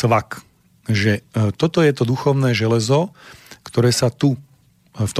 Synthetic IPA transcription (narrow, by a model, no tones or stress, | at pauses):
ʋak | ʒɛt̪ɔt̪ɔjɛt̪ɔd̪uxɔʊnɛːʒɛlɛzɔkt̪ɔɾɛːsat̪u | ft̪